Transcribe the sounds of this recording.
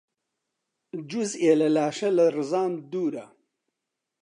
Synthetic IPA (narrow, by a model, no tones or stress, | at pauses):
d͡ʒuzeːlɐlaːʃɐlɐrɨzaːnd̪uːɾɐ